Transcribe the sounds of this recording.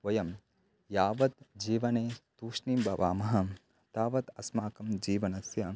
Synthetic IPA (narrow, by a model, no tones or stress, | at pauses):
ʋɐjɐm | jaːʋɐt̪̚d͡ʒiːʋɐneːt̪uːʂniːmbɐʋaːmɐɦɐ̆ | t̪aːʋɐt̪ɐsmaːkɐmd͡ʒiːʋɐnɐsjɐ